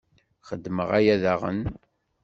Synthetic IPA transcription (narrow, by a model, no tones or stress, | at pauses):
χəd̪ːməʁæjæðaʁə̰n